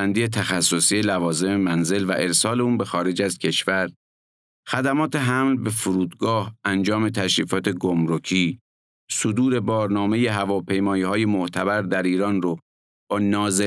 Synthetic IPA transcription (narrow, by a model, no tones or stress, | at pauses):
ænd̪ije̞t̪ʰæxæsːosiːjelævɒːze̞memænze̞lvæ̰ʔe̞ɾsɒːle̞uːnbe̞xɒːɾe̞d͡ʒæz̥cʰe̞ʃvæɾ | xæd̪æmɒːt̪ʰe̞ɦæmlbe̞fuɾuːd̪ɡɒːhʔænd͡ʒɒːme̞t̪ʰæʃɾiːfɒːt̪ʰe̞ɡomɾocʰiː | sod̪uːɾe̞bɒːɾnɒːme̞je̞ɦævɒːpʰe̞jmɒːiːhɒːje̞moʔt̪ʰæbæɾd̪æɾiːɾɒːnro | b̥ɒːnɒːze